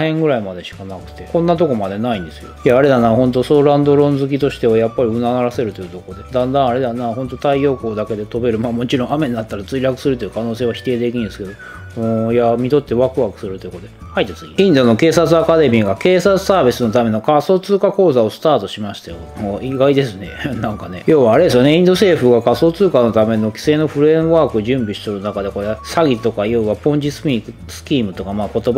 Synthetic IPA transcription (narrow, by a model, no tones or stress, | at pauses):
hẽ̞ŋɡɯ̟ɾaimad̪e̞ɕi̥kanakɯ̟̥t̪e̞kõ̞nːat̪o̞ko̞mad̪e̞naĩnd̪e̞sɨjojaːɾe̞d̪anaːhõ̞nt̪o̞soɾãnd̪o̞ɾõ̞nd͡zzɨk̬ʲit̪o̞ɕi̥t̪e̞βajapːaɾʲiɯ̟nanaɾase̞ɾɯ̟t̪o̞jɯ̟t̪o̞kod̪e̞d̪ãnd̪ãɰ̃aɾe̞d̪anaːhõ̞nt̪o̞t̪aijo̞ːko̞ːd̪ake̞d̪e̞t̪o̞be̞ɾɯ̟maːmo̞t͡ɕiɾõ̞ɰ̃ame̞ɲnat̪ːaɾat͡sɨiɾʲakɯ̟̥sɨɾɯ̟t̪o̞jiɯ̟̥kano̞ːse̞ːβaçʲi̥t̪e̞ːd̪e̞kʲĩɲnesɨ̥ke̞d̪o̞ | ɯ̃ːjamʲid̪o̞t̪ːe̞βakɯ̟βakɯ̟̥sɨɾɯ̟t̪ojɯ̟kot̪oehait̪ːesɨiĩnd̪o̞no̞ke̞ːsat͡sɨakad̪e̞mʲiɡake̞ːsat͡sɨ̥saːbʲisɨno̞t̪ame̞no̞kaso̞ːt͡sɨːkako̞ːzao̞sɨ̥t̪aːt̪o̞ɕimaɕi̥t̪ajo̞̰moːiɡaid̪e̞sɨne̞̰nãŋkane̞̰jo̞ːβaːɾe̞d̪esɨjone̞ĩnd̪o̞se̞ːɸɯ̟ɡakaso̞ːt͡sɨːkano̞t̪ame̞no̞kʲi̥se̞ːno̞ɸɯ̟ɾẽ̞βaːkɯ̟ʑɨ̃mbʲiɕi̥t̪oɾɯnakad̪eko̞ɾe̞saɡʲit̪o̞kaijoiβapõ̞ɲ̟d͡ʑisɨ̥pʲikɯ | sɨ̥kʲiːmɯ̟t̪o̞kamaːko̞t̪o̞ba